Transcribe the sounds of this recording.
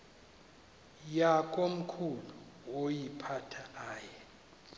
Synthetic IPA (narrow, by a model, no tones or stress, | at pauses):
jakʼom̩kʰuluwojipʰatʰaaːjɛ